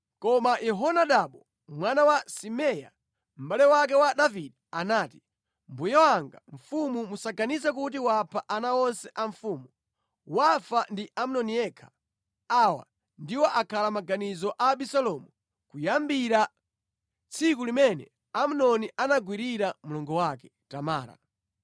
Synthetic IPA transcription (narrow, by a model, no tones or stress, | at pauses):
kɔmajɛɦɔnaɗaɓɔ | mwanawasimɛja̰ | m̩ɓalɛwak̬ɛwaɗaviɗɛanaːti̥ | mbujawaŋɡaɱ̩fumumusaɡanizɛk̬ut̬iwapʰaʔanaɔnsɛʔaɱfuːmu | wafandiʔam̩nɔniɛkʰḁ | awa̰ | ndiwɔʔakʰalamaɡanizɔʔaɓisalɔmu | kujambiɾa | t͡sʰikulimɛnɛ̰ | am̩nɔniʔanaɡwiɾiɾamulɔŋɡɔwak̬ɛ | tamaːɾa̰